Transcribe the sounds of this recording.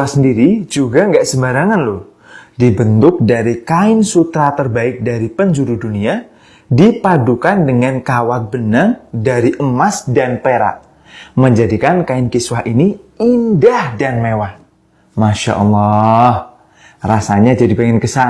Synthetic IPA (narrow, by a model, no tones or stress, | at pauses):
asəndiɾid͡ʒuɡaŋɡaʔsəmbaɾaŋanlo | dibənt̪ʊk̚daɾikaɪnsut̪ɾat̪ərbaɪk̚daɾipəɲd͡ʒuɾudunia | dipadukandəŋankawat̪̚bənaŋdaɾiʔəmasdanpeɾa̰ʔ | məɲd͡ʒadikankaɪnkiswaɦʔiniindahdanmewah | maʃa̰ʔɔlːɔh | rasaɲad͡ʒadipeŋɪnkəsa